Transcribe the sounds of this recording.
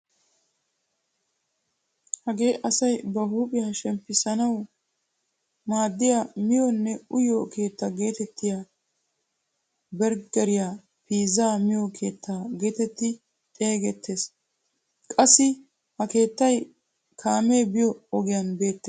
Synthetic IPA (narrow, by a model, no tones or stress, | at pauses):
hɐɡe̞ːʔɐsɐjbɐɦuːpʼɪjaʃɛmpːɪsɐnɐw | maːd̪ːɪjamɪjɔnːɛʊjokʰe̞ːt̪ːɐɡe̞ːt̪ɛt̪ʰːɪja | bɛɾɡɐɾɪjaː | piːzaːmɪjokʰe̞ːt̪ʰːaːɡe̞ːt̪ɛt̪ːɪ | t̪ʼe̞ːɡɛt̪ʰːe̞ːs | kʼɐsːɪ | hɐke̞ːt̪ːɐj | kʰaːmeːbɪjɔɔɡɪjanbe̞ːt̪ːe